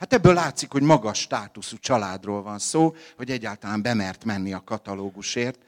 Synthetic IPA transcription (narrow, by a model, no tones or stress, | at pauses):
hat̪ɛbːøːlːaːt̪sikho̞ɟmɒɡɒʃːt̪aːt̪usut͡ʃɒlaːd̪roːlvɒnsoːho̞ɟɛɟːaːlt̪ɒlaːmbɛmɛrt̪mɛnːiɒkɒt̪ɒloːɡuʃeːrt̪̚